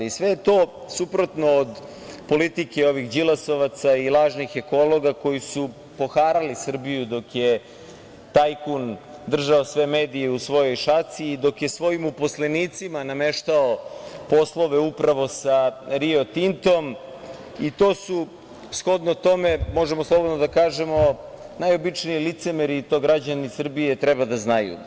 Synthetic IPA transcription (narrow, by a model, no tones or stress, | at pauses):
isʋe̞jet̪o̞ː | supɾo̞t̪no̞ːd̪ | po̞lit̪ike̞o̞ʋixd͡ʑilaso̞ʋat̪sailˠaːʒnixe̞ko̞lˠo̞ɡako̞jisu | po̞xaːɾalisr̩bijud̪o̞kje | t̪ajkun | d̪r̩ʒaosʋe̞me̞ːd̪ijeusʋo̞jo̞jʃat̪siːd̪o̞kje̞sʋo̞jimupo̞sleniːt̪simaname̞ʃt̪aopo̞slˠo̞ʋeupɾaʋo̞saɾio̞t̪int̪o̞m | it̪o̞ːsu | sxo̞d̪not̪o̞me̞mo̞ʒemoslˠo̞bod̪nod̪akaːʒemo̞ | najo̞bit͡ʃniːlit̪se̞meɾit̪o̞ɡɾad͡ʑanisr̩bijet̪ɾɛbad̪aznajṵ